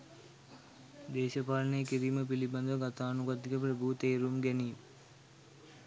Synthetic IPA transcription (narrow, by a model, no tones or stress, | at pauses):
d̪eːʃɐpaːɾnekiɾiːməp̬ilibɐnd̪ɐʋɐɡat̪aːnuɡad̪ːikəp̬ɾebʱuːt̪eːɾumɡɛniː